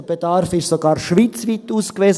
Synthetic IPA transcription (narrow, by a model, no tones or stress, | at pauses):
b̥edɑɾfɪʃsoɡɑːɾʃʋiːt͡svit̪uːskveːs